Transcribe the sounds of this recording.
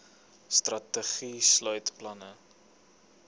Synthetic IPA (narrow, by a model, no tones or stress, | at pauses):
strɐtəχislœɥtplɐnə